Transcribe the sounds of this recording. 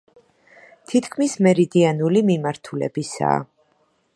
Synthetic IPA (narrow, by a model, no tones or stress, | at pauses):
t̪ʰit̪ʰkʰmismɛɾid̪ianulimimaɾt̪ʰulɛ̰bisa̰ː